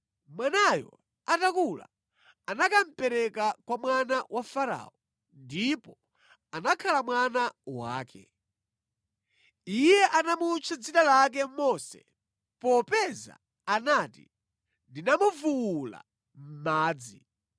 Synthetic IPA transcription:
mwanajɔ̰ | atakula̰ | anakam̩pɛɾɛkakwamwanawʔafaɾa̰ɔ | ndipɔ | anakʰalamwanawa̰ːkʰɛ̰ | ijɛʔanamut͡ʃʰad͡zitalak̬ɛmɔsɛ̰ | pɔpɛza̰ː | naːtḭ | ndinamuvuwula̰ | m̩maːd͡zi

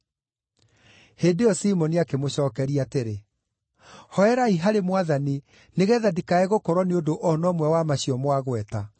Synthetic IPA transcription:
heːdeɔsimɔniakemoɕɔːkɛɾiateɾe | hɔɛɾaiɦaɾemwaðani | neɣɛðadikaɛɣokɔɾwɔneondoʔɔnɔmwɛwamaɕiɔmwaɣwɛta

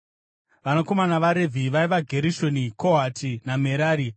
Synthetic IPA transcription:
ʋanako̞manaʋaɾe̞vʱiʋaiʋaɡʱe̞ɾiʃo̞nikʰoɦatʰinameɾaːɾi

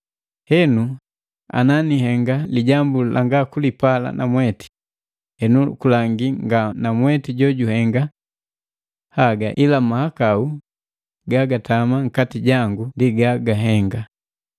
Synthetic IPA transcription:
hɛnu | a̰naniɦɛŋɡaliɟambulʔaŋɡakulipala̰na̰mwɛti̥ | hɛnukulaŋɡiŋɡanamwɛtiɟɔɟuhɛŋɡa | haɡaʔilamahakau | ɡaɡatamaŋ̩katiɟaŋɡundiɡaɡaɦɛŋɡa

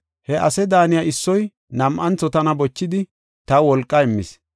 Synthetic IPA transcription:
hɛʔɐsɛd̪aːnɪjaɪsːɔj | nɐmʔɐnt͡sːɔt̪ɐnɐbɔt͡ʃːɪd̪ɪ | t̪ɐwɔlkʼːɐɪmːɪs

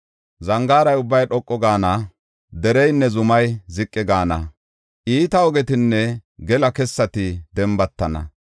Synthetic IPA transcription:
zɐŋɡaːɾɐjʊbːɐjɗɔkʼːɔɡaːnɐ | d̪ɛɾɛjnːɛzʊmɐjzɪkʼːɪɡaːnɐ | ʔiːt̪ɐɔɡɛt̪ɪnːɛɡɛlɐkɛsːɐt̪ɪd̪ɛmbɐt̪ːɐnɐ̰

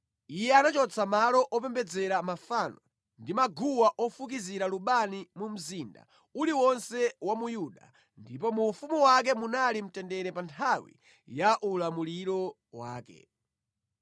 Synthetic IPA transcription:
ijɛanat͡ʃɔt͡sʰamalɔʔɔpɛmbɛd͡zɛɾamafanɔ | ndimaɡuwaʔɔfuk̬iziɾaluɓanimum̩zinda̰ | uliwɔnsɛwamujuɗa̰ | ndipɔmuːfumuwak̬ɛmunalim̩tɛndɛɾɛpantʰawḭ | jaʔulamuliɾɔ | waːkɛ̰

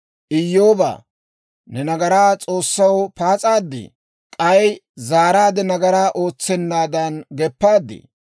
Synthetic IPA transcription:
ʔɪjːoːba̰ː | nɛnɐɡɐɾaːt͡sʼo̞ːsːɐwpaːt͡sʼaːd̪ːɪ̰ | kʼɐjzaːɾaːd̪ɛnɐɡɐɾaːʔo̞ːt͡sːɛnːaːd̪ɐnɡɛpːaːd̪ːɪ̰

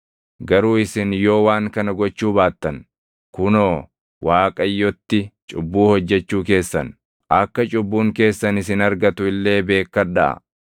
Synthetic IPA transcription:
ɡɐɾuːɪsɪnjo̞ːwaːŋkɐnɐɡɔt͡ʃːuːbaːt̪ːɐn | kʊnoː | wʔaːkʼɐjːɔt̪ːɪt͡ʃʼʊbːuːhɔd͡ʒːɛt͡ʃːuːk̬e̞ːsːɐn | ʔɐkːɐt͡ʃʼʊbːuːŋke̞ːsːɐnɪsɪnɐɾɡɐt̪ʊɪlːe̞ːbe̞ːkːɐɐʔɐ̰

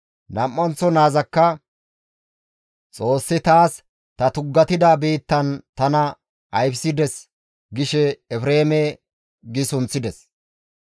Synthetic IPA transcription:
nɐmːɐnt͡sːɔnaːzɐkːɐ | t͡sʼo̞ːsːɪt̪aːs | t̪ɐt̪ʊɡːɐt̪ɪd̪abiːt̪ːɐnt̪ɐnɐ | ʔɐjpsɪd̪ɛs | ɡɪʃɛːfɾeːmɛ | ɡɪsʊnt͡sːɪd̪ɛs

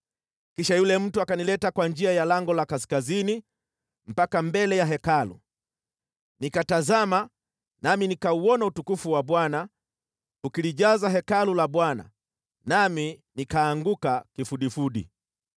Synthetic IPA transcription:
kiʃajulɛm̩tuakanilɛtakwand͡ʒiajalaŋɡɔlakaskazini | m̩pakambɛlɛjaɦɛkalṵ | nikatazama | naminikauɔnautukufuwaɓwana | ukiliʄazaɦɛkalulaɓwana̰ | naminikaːŋɡukakifuɗifuɗḭ

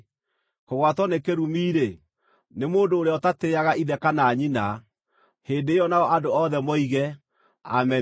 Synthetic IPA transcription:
koɣwatwɔnekeɾumiːɾe | nemoːndoːɾeɔtateaɣaʔiðɛkanaːɲina | heːndeːɔnaɔʔadoɔðɛmɔiɣɛ | a̰mɛ

